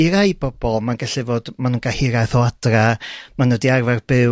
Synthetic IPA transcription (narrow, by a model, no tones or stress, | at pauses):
iɾajbɔbɔlˠmanɡaɬɪvoːd̥manunɡ̥ahɪɾajθɔadramanədiarvarbɪ